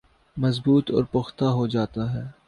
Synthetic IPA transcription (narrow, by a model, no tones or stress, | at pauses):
mɐzbuːt̪ɔ̰ːɾpʊxt̪aɦod͡ʒaːt̪aɦɛː